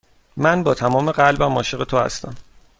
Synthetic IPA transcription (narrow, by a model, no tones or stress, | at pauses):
mænbɒːt̪ʰæmɒːme̞ɢælbæmɒːʃeɣe̞t̪ʰohæ̰st̪æm